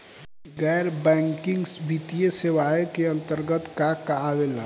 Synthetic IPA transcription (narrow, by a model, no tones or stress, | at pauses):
ɡɛjɾbɛŋkiŋɡbit̪ijesewajkeə̃nt̪əɾɡət̪kakaːβela